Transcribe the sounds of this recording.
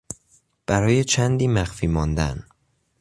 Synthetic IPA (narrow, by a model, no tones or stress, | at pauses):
b̥æɾɒːjet͡ʃʰænd̪iːmæxfiːmɒnd̪æ̰n